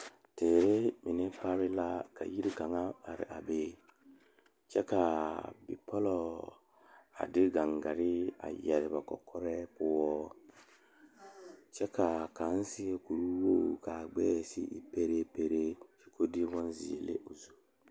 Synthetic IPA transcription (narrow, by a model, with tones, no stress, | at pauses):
teː˨ɾe˦mi˨nɛ˦pa˦ɾɪ˦la˦ka̰˨ji˦ɾi˦ɡa˨ŋa˦a˨ɾɪ̰˨ʔa˨beː˦ | t͡ʃɛ˦ka˨bi˨pʰɔ˦lɔ˨ | a̰˨dɪ˦ɡa˨ŋɡa˨ɾɪ˦a̰˨jɛ˨ɾɪ˨ba˨kɔ̰˨kʰɔ˦ɾɛ˦pʊ˦wɔ˦ | t͡ʃɛ˦ka˨ka˨˦n˦sɪ˦ɛ˦ku˨ɾu˦wo˦˨ka˨ɡ͡bɛ̰ː˦˨sḭ˦ʔḭ˨pe˦ɾe˦pe˦ɾe˦t͡ʃi̥˨ko˦di˦wɔ˦nzḭ˨ḛ˨lḛ˦ʔo˨zu˨